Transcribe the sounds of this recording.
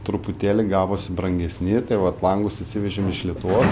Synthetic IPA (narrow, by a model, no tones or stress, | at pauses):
t̪ɾʊpʊt̪ʲeːlʲɪɡɑːʋoːsʲɪbɾɐŋʲɡʲɛsʲnʲɪt̪ɐɪʋɐt̪lˠɐŋɡʊsɐt̪ʲsʲɪʋʲɛʒʲemɪʃlʲiɛt̪ʊʋoːs